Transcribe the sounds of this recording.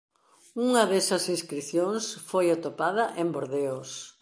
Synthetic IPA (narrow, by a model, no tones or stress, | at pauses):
uŋɐðesɐsĩnskɾiθjõŋsfojat̪opað̞ɐʔemboɾðeos